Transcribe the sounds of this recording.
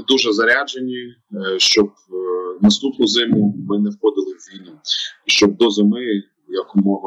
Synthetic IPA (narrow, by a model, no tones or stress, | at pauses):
d̪uʒɛzɐɾʲad͡ʒenʲi | ʃt͡ʃɔb̚ | nɐst̪upnʊzɪmʊmɪnɛwxɔd̪ɪlˠɪwʋʲijnɐʃt͡ʃɔb̚d̪ɔzɪmɪ | jɐkʊmɔʋɐ